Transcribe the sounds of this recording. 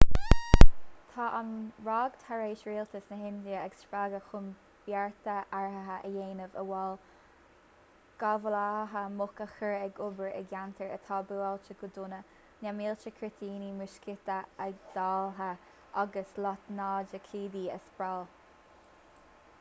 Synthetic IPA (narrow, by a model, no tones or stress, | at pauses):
t̪ʰɑːʔanɹɑːɡt̪ʰaɹeːʃɹiːlt̪əsnəɦɪnd̪jəɛɡsɹaɡəxʊm | b̥jaɹt̪əʔaɹɦəɦaʔəjeːnəvəwɛl | ɡ̥avəlahɦamʊkəxəɹɛɡʊbəɹɛ̰ɡjant̪ʰəɹə̰t̪ʰɑːbualt͡ʃəɡʊd̪ʊnə | namiːlt͡ʃəkʰɹɪt̪ʰiːnimɪʃkɪt̪əɛɡ̚d̪̥aːlɦa | ʔaɡəslɔt̪nɑːd͡ʒəkʰiːd̪iːə̰spɹal